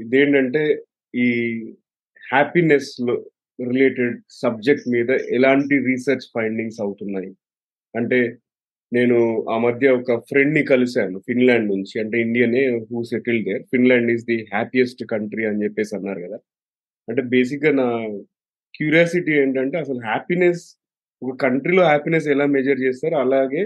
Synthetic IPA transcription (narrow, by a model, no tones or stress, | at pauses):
id̪e̞ːɳʈɐɳʈe̞ː | iː | haːpineslo | ɾile̞ːʈeɖ̚sɐb̚d͡ʒek̚ʈmiːd̪ɐʔɛlaːɳʈiɾiːsɐɾt͡ʃpʰɐjɳɖiŋɡsɐwut̪unːaːji | ɐɳʈe̞ː | ne̞ːnuaːmɐd̪ʱjɐɔkɐfɾe̞ɳɖnikɐlusaːnufinlaːɳɖnuɲt͡ʃiɐɳʈe̞ːiɳɖijɐne̞ːɦuːseʈild̪eːɾfinlaːɳɖisd̪iɦaːpijesʈkɐɳʈɾiɐnt͡ʃepːe̞ːsiɐnːaːɾukɐd̪aː | ɐɳʈe̞ːbe̞ːs̬ik̚ɡaːnaː | kjuːɾijaːsiʈieːɳʈɐɳʈeːɐsɐluɦaːpines | ɔkɐkɐɳʈɾilo̞ːɦaːpines̬ɛlaːmed͡ʒɐɾt͡ʃeːsaːɾuɐlaːɡe̞ː